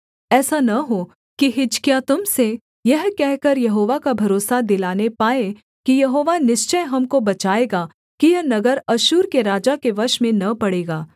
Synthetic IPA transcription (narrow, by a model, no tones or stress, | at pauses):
ɛːsanɐɦo | kiɦɪd͡ʒkjat̪ʊmse | jɐɦkɛɦkɐɾjɐɦoːʋakabʱɐɾoːsad̪ɪlaːnepaːe | kijɐɦoːʋanɪʃt͡ʃəjɦɐmkobɐt͡ʃaːeːɡaː | kijɐɦnɐɡəɾɐʃuːɾkeɾaːd͡ʒakeʋɐʃmẽnɐpɐɽeːɡaː